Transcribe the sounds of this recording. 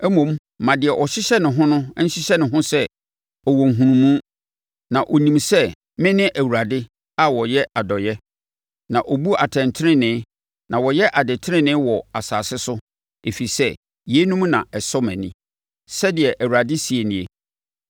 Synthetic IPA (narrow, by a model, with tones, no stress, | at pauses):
ɛ˦mõ˨m | mã˨dɪ˨ɛ˨ʔɔ˨ɕɪ˦ɕɛ˦nɪ̃˨ɦʊ̃˦nʊ̃˦n̩˦ɕɪ˦ɕɛ˦nɪ̃˨ɦʊ̃˦sɛ˦ | ɔ˨wɔ˨ŋ̩˨ɦũ˨nũ˦mũ˦ | nã˨ʔɔ˨nĩ˨msɛ˦ | mɪ̃˦nɪ̃˦ʔæ˨wu˨ɾa˨dɪ˦ | a˦wɔ˨jɛ˦a˨dɔ˨jɛ˦ | nã˨ʔɔ˨bu˦a˨tʰɛ̃˨ntʰɪ˦ɾɪ̃˦nɪ̃˨˦ | nã˨wɔ˨jɛ˦ʔa˨dɪ˨tʰɪ˦ɪ̃˦nɪ̃ː˦wɔ˨a˨saː˨sɪ˦sʊ˦ | e˨fi˨sɛ˦ | je˨˦nũ˦m˦nã̰˨ɛ˨sɔ˦mɛ̰̃˨nɪ̰̃˦ | sɛ˦dɪ˨ɛ˨ʔæ˨wu˨ɾa˨dɪ˦si˨e˨nĩ˨e˨